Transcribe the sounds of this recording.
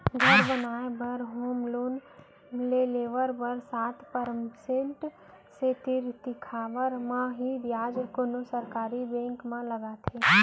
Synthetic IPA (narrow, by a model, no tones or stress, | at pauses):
ɡʱəɾbənaːebəɾɦoːmloːn | leleːʋəɾbəɾsaːt̪ʰpəɾəmsẽɳʈ | set̪ɪɾt̪ɪkʰaːʋəɾmãɦibjaːd͡ʒkonosəɾkaːɾibẽːŋkmãləɡat̪ʰe